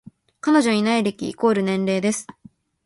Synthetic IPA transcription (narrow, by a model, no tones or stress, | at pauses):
kano̞ʑo̞ɲinaiɾe̞kʲḭːko̞ːɾɯ̟nẽ̞nɾe̞ːd̪e̞sɨ̥